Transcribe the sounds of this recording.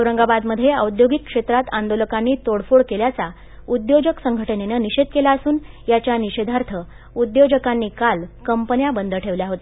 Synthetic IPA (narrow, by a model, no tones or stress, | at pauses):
əʋɾəŋɡabad̪məd̪ʱːjeə̰wd̪joɡikːʂet̪ɾat̪ãnd̪oləkanːiːt̪oɽfoɽkeljat͡sa | ud̪jod͡ʑəksəŋɡʱəʈənenəniɕed̪̚kelaəsuːnjat͡ɕjaniɕed̪ʱaɾt̪ʰə | ud̪jod͡ʑəkanːiːkalkəmpənjabənd̪ʱəʈʰeʋljaɦot̪a